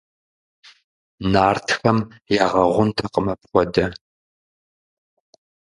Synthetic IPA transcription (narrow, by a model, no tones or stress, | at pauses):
naːrtʰxɐmjaːʁɐʁʷʊntʰɐqəmɐp̚χʷɔdɐ